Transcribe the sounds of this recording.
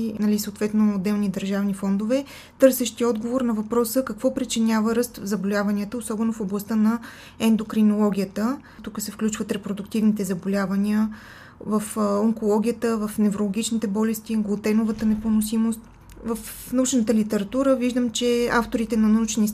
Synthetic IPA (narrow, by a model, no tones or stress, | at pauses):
nɐlisəoːt̪vɛt̪noːd̪ːɛlˠnid̪əɾʒavnifɔnd̪ovɛ | t̪ɤɾsɛʃt̪iɔd̪ɡovoɾnɐvɐpɾɔsəkɐkvɔpɾit͡ʃinʲavəɾəst̪vzɐbolʲavɐnʲiət̪əosɔbɛnofoblˠɐst̪ənɐ | ɛnd̪okɾinolˠɔɡʲijət̪ə | t̪ukəsɛfklʲut͡ʃvət̪ɾɛpɾod̪ʊkt̪ivnit̪ɛzɐbolʲavɐnʲiə | vɐfoŋkolˠɔɡʲijət̪əvɐfnɛvɾolˠoɡʲit͡ʃnit̪ɛbɔlɛst̪iɡlˠot̪ɛnovət̪ənɛponosimost̪ | vɐf | nɐut͡ʃnət̪əlit̪ɛɾɐt̪uɾəviʒd̪əmt͡ʃɛaft̪oɾit̪ɛnɐnɐut͡ʃnis